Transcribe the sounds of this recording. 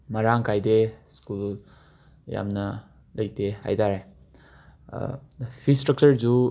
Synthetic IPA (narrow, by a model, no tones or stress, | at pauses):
mɐɾaŋkajdeskul | ja̰mnɐ | lɐjteha̰jtaɾaj | pʰistɾɐk̚t͡ʃəɾd͡ʒu